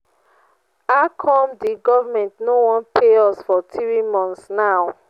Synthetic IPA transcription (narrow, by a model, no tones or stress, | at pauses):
akʰɔmdiɡɔvamɛ̃ntnowɔ̃npʰeɔsfɔtɹimɔ̃ntsnaw